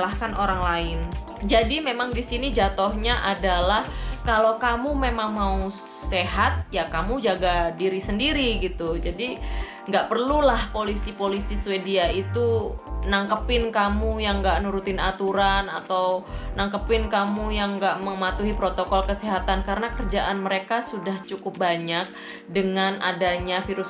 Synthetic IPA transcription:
lahkanoɾaŋlaɪn | d͡ʒadimemaŋdisinid͡ʒat̪ohɲaʔadalahkalokamumemaŋmau | seɦat̪̚jakamud͡ʒaɡadiɾisəndiɾiɡit̪ud͡ʒadi | ŋɡaʔpərlulahpolisipolisisuwediait̪unaŋkəpɪnkamujaŋɡaʔnuɾut̪ɪnat̪uɾana̰t̪awnaŋkəpɪnkamujaŋɡaʔməmat̪uɦipɾot̪okɔlkəsiɦat̪ankaɾənakərd͡ʒaʔanməɾekasudaht͡ʃukʊp̚baɲak̚ | dəŋanʔa̰daɲafiɾʊs

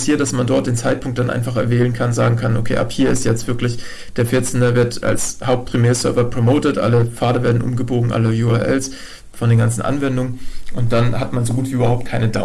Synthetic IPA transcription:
shiːɐt̚d̥asmandɔɐt̚d̥eːnt͡saɪt̚pʰʊŋk̚t̚d̥anʔa̰ɪnfaχɛɐvɛːlənkʰanzaːɡŋ̩kʰanʔo̰kʰḛːʔa̰phiːɐɪstjɛt͡stv̥ɪɐklɪç | d̥eːɐfɪɐt͡sɛndɐvɪɐtʔa̰lshaʊp̚t̚pʁ̥imeːɐsœɐvɐpʁ̥omoːtətʔa̰ləfaːɐdɐveːɐdn̩ʔʊ̰mɡəboːɡŋ̩ʔa̰ləjuːɛɐʔɛ̰ls | fɔndeːnɡant͡sn̩ʔa̰nvɛndʊŋəʔʊnt̚d̥anɦatmanzoɡuːtv̥iːʔyːbɐhaʊp̚t̚kʰaɪnədaʊ

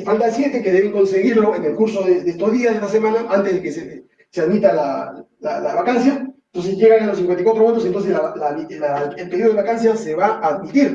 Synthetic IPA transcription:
falt̪asje̞t̪e̞ke̞ðe̞βeŋko̞nse̞ɣiɾloene̞lkuɾso̞ðeðest̪ozðiasest̪ase̞mãnaʔant̪ezðe̞kese | seaðmit̪ala | la̰laβakansjant̪o̞ns̬ezʝe̞ɣanelosiŋkwent̪aikwat̪ɾo̞mont̪osent̪ons̬eslalailaelpeioðeakansjase̞βaʔaːðmit̪iɾ

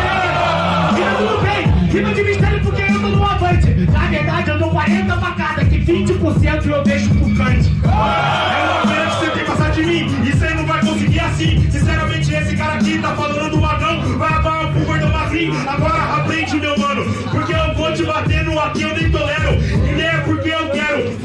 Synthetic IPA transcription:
iɐ̃d̪ũd̪ʊbẽjsinɐ̃d͡ʒɪmiʃt̪ɛɾʊpoɾkewẽɐwd̪õnɐ̃w̃avɐ̃t͡ʃɪnɐveɾd̪ad͡ʒɪɐ̃d̪okwaɾẽnt̪ɐfakad̪ɐkɪvĩnt͡ʃɪpʊɾsẽnt̪ʊewbeʃʊʊkɐ̃t͡ʃɪ | ɛñɐ̃kẽnɐd͡ʒɪ̥sewk̪ẽpasaɾd͡ʒɪmĩ | ɪsẽnɐ̃w̃vajkõsɪɡiɾasĩsĩsɛɾamẽnt͡ʃɪesɪkaɾɐakit̪afalɐ̃nd̪ʊ̃d̪ʊ̃vaɡɐ̃w̃ | vajamaɾɐkũveɾd̪ɐ̃azĩ | aɡɔɾɐʔapɾẽd͡ʒɪʊmewɐ̃nʊpoɾkeewvod͡ʒɪbat̪ẽd̪ʊak̪iewnẽj̃t̪olɛɾʊĩnẽpoɾkeewkɛɾʊ

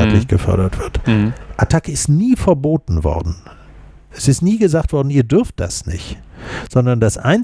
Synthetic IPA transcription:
a̰tlɪçɡ̥əfœ̰ɐɾɐtv̥ɪɐtʔatʰakəɪstniːfɛɐboːtn̩vɔ̰ɐdn̩ | ʔɛsɪstniːɡəzaːktv̥ɔɐdn̩iːɐdʏɐft̚d̥a̰snɪ̰çtz̥ɔndɐndasʔa̰ɪn

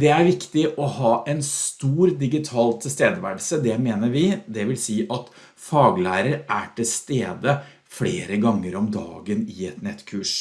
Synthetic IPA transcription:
d̪ɛæɾʋɪkt̪ɪʔɔhɑːʔɛnst̪uːɾd̪ɪɡɪt̪ʰɑːlt̪ʰɪst̪eːd̪əʋæ̰ɖsəd̪ɛmeːnəɾʋɪd̪ɛʋɪlsiːʔɑt̪ | fɑːɡlæːɾəɾʔæʈʰɪlst̪eːd̪ə | fleːɾəɡɑŋːəɾɔmd̪ɑ̰ːɡənɪɛt̪nɛt̪ːkʰʉːʂ

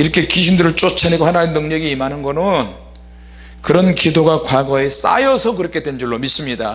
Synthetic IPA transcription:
iɾʌkʰe̞kiɕʰindɯɾɯɭt͡ɕ͈ot͡ɕʰaneɡohanaenːɯŋɲʌɡiːmɦanɯnɡʌnɯn | kɯɾʌnkidoɡakwaɡʌe̞s͈a̰jʌsʰʌkɯɾʌkʰe̞dwend͡ʑuɭːomis͈ɯmɲida̰

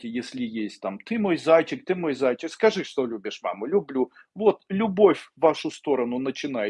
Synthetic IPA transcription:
ɪjesʲlʲɪjesʲtʲt̪amt̪ɨmo̞jzajt͡ɕɪk̚t̪ɨmo̞jzajt͡ɕɪkskɐʐɨʂt̪olʲubʲɪʂma̰mʊlʲʊblʲu | vot̪lʲʊbo̞fʲvːaʂʊst̪o̞ɾənʊnət͡ɕɪnajɪ

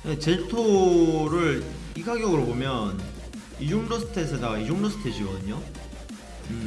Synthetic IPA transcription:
jet͡ɕe̞ɭtʰoɾɯɭ | iɡaɡjʌɡɯɾobomjʌn | id͡ʑoŋdosʰɯ̥tʰesʰenaid͡ʑoŋdosʰɯ̥tʰed͡ʑiɡʌdɯɲo | ɯ

